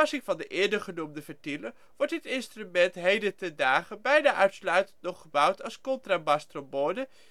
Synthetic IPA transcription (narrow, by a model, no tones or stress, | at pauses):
ɑsɪŋvɑndəʔɪːɹdəχənumdəvəɹtilə | ʋɔɹtdɪtɪnstrymɛntɦejdətɛndaːχəbɛjnaːʔœɥtslœɥtəntnɔχəbʌwtɑlˠskɔntraːbɑstroboːdə